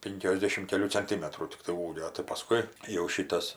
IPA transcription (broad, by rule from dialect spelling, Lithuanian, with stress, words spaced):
ˈpʲɪŋʲkʲoːzʲdʲɛʃʲɪm kʲɛˈlʲuː t͡sɐnʲˈtʲɪmʲɛtruː tʲɪkˈtɐɪ ˈuːɡʲoː tɐɪ pɐˈskʊɪ jɛʊ ˈʃʲiːtɐs